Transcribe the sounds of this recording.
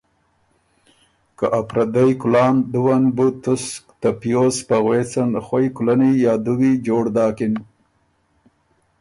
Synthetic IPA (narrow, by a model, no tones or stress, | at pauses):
kaʔapɾad̪ajkʊlɑːnd̪uwanbut̪ʊskt̪apijospaɣwet͡sanxwajkulanijɑːd̪uwid͡ʒoːɽd̪ɑːkɪn